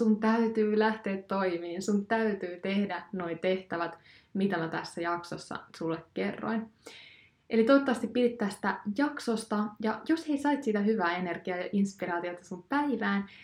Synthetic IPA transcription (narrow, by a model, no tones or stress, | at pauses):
sunt̪æyt̪yːlæht̪e̞ːt̪ːo̞imiːnsunt̪æyt̪yːt̪e̞hdæno̞it̪e̞ht̪æʋæt̪ | mit̪æmæt̪æsːæjɑkso̰sːɑ̰sulːekke̞rːo̰in | ʔe̞lit̪ot̪ːɑʋɑst̪ipːpidit̪ːæːst̪æjɑkso̞st̪ɑjɑjo̞she̞isɑit̪sit̪æɦyʋæːe̞ne̞rɡ̥iɑjɑʔinspiɾɑːt̪io̞t̪ɑsumpæiʋæːn